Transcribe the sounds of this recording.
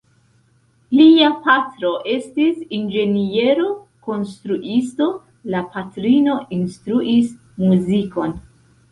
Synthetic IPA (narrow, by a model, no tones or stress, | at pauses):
liapatɾo̞ʔe̞stisind͡ʒe̞nie̞ɾo̞ko̞nstɾuʔisto̞ | lapatɾino̞ʔinstɾuʔis | muziko̞n